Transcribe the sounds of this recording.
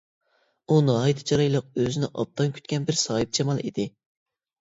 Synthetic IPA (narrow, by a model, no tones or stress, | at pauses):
unɑit̪ʰɨ̥t͡ʃʰɑɾɑjlˠəq̚øzɪnɪʔɑ̰p̚t̪ʰɑnkʲʰy̥t̪ʲkʲɛnbɪɾsɑːɦɨp̚t͡ʃʰɑmɑlˠḭd̪ɪ